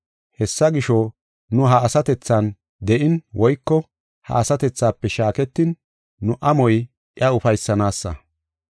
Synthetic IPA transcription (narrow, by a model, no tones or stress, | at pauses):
hɛsːɐɡɪʃɔ | nʊɦɐːsɐt̪ɛt͡sːɐn | d̪ɛʔɪnwʔɔjkːɔ | hɐ̰ɐsɐt̪ɛt͡sːaːpːɛʃaːkɛt̪ːɪnː | ʊʔɐmɔj | ʔɪjɐʊfɐjsːɐnaːsːɐ̰